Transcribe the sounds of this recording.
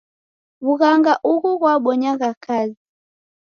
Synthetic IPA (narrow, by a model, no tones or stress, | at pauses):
βuɣaŋɡaʔuɣuɣwaɓɔɲaɣakʰazi